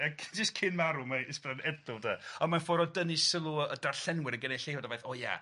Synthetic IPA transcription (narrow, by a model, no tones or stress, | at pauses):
akʰd͡ʒɪstkʰɪnmaɾumaɪsbranɛdʊlˠdaɔnmanfɔɾɔdənisəlˠuədarɬɛnwɪɾəɡənejɬejvɔdɔbejθɔːja̰